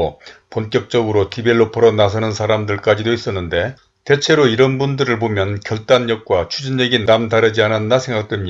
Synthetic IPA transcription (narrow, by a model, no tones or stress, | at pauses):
oponk͈jʌk̚t͡ɕ͈ʌɡɯɾotibe̞ɭːopʌɾʌnasʰʌnɯnsʰaɾamdɯɭk͈ad͡ʑidois͈ʌnːɯnde̞ | te̞t͡ɕʰe̞ɾoiɾʌnbundɯɾɯɭpomjʌnkjʌɭt͈aɲːʌk̚k͈wat͡ɕʰud͡ʑinːeɡinamdaɾɯd͡ʑianɯnːasʰe̞ŋɡak̚t͈wemɲi